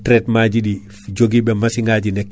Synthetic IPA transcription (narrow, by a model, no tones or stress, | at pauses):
tɾɛtmaːɟiɗi | fiɟoɡibemasiŋɡaɟinɛkː